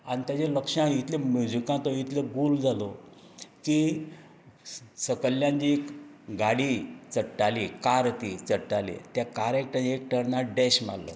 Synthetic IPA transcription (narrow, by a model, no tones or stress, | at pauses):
anit̪jat͡ɕeləkʂãit̪ʰlemjud͡ʑikãt̪ɔit̪leɡuld͡zalo | ki | səkəljãɲt͡ɕikɡaɽit͡səʈːalikaɾt̪it͡səʈːalḭt̪jakaɾek̚ʈəekʈʰəɽnaɖɛɕma̰lːɔ̰